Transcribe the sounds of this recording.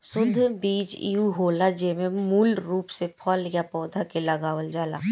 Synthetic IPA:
sʊd̪ʱːbiːt͡ʃḭuɦoːlad͡ʒemẽmuːlɾuːpsepʰɔːlɪjapɔːd̪ʱakeləɡaːʋəld͡ʒaːla̰ː

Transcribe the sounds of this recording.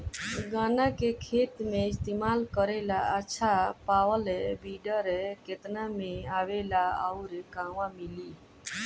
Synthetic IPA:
ɡanakekʰet̪meist̪emalkəɾelaəːʃʰapawəlɛbiɖəɾɛket̪nameaʋelaəʊɾekaʋãmili

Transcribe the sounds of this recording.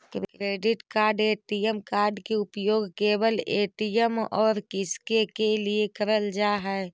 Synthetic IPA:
kɾkɾeːɖɪʈkaːɾɖeːʈijəmkaːɾɖkeʊpjoːɡkeːbəleːʈijəmɔːɾkɪskekeliekəɾəld͡ʒaːɦɛ

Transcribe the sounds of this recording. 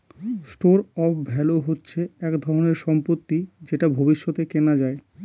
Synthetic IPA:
sʈoɾɔpbʱɛloɦotːɕʰeɛkd̪ʱɔɾoneɾʃɔmpot̪ːid͡ʑeʈabʱobiʃːɔt̪ekenad͡ʑae

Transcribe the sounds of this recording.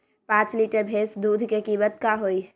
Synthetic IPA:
pãːt͡ʃliʈəɾbʱeːsd̪uːd̪ʱkekiːbət̪̚kaɦoi

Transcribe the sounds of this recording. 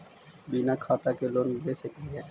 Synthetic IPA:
biːnakʰaːt̪akeloːnlesekiɦɛː

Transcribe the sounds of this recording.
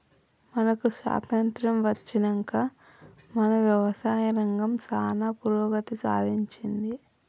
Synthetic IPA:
mɐnɐkusʋa̰ːt̪ɐnt̪ɾɐmʋɐt͡ʃːinɐŋkaː | mɐnɐʋjɐʋɐsaːjɐɾɐŋɡɐmt͡ʃaːnaːpuɾɔːɡɐt̪isa̰ːd̪iɲt͡ʃind̪i

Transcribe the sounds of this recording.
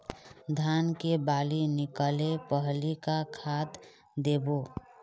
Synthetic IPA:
d̪ʱaːnkebaːlinɪkəlepəɦlikakʰaːt̪ | d̪eːbo

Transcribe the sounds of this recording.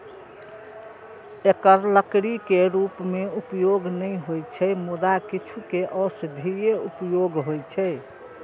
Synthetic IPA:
ekəɾləkɽikeɾupmeupjoɡnəjɦojt͡ʃʰɛmud̪akit͡ʃʰukeʔɔsd̪ʱijeupjoɡɦojt͡ʃʰɛ

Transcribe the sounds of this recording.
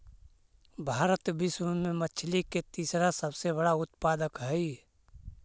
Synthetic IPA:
bʱaːɾət̪bɪswəmẽmət͡ʃʰliket̪iːsɾasəbsebəɽaʊt̪paːd̪əkɦɛi

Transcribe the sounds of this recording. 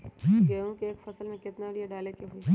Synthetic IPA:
ɦɡeũkeeːkfɐsəlmẽkɪt̪naɽieɖaːlekeɦuiɦ

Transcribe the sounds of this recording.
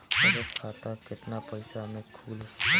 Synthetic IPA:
ɔɾɔkʰat̪akeʈ̪napəjsamekʰuls

